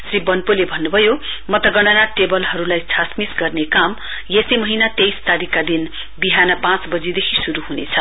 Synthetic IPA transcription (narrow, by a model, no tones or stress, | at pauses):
sribʌnpolebʱʌnːubʱʌjomʌt̪ʌɡʌɽ̃ʌnaʈebʌlɦʌɾulajt͡sʰasmisɡʌrnekam | jesimʌɦinat̪ejst̪aɾikːad̪in | biɦanʌpãt͡sbʌd͡zid̪ekʰisuɾuɦunḛt͡sʰʌ